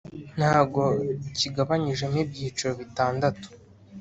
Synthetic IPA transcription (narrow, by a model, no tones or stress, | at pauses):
n̥haːbɡo̞ciɡaβaɲiʒe̞nib̚ɟiːt͡ʃuɾoβitaːndatu̥